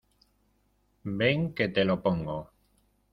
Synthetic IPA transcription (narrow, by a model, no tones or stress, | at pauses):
beŋket̪elopoŋɡo